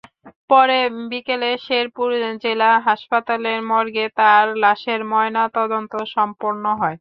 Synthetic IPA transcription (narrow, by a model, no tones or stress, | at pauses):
pɔɾebikeleʃeɾpuɾd͡ʑelaɦaʃpat̪aleɾmɔɾɡet̪aɾlaʃeɾmɔenat̪ɔd̪ont̪oʃɔmpoɾnoɦɔe